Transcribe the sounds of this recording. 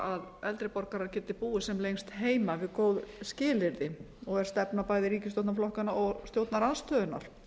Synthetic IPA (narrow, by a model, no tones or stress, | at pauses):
aðɛlt̪ɾɪpɔɾkaɾaɾcɛːt̪ɪpuːɪsɛmlejŋst̪ɦeːjmavɪðkoːwðscɪːlɪɾðɪ | ɔɣɛ̥st̪ɛpnapaːjðɪɾiːcɪst̪jowt̪naflɔhkanaɔɣst̪jowt̪naɾanst̪œːðʏnːa̰ɾ̥